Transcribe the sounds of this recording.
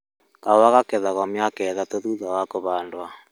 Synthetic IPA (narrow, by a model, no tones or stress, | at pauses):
kawaɣakɛðaɣɔmjakɛðatoðuðawakoβaːndwa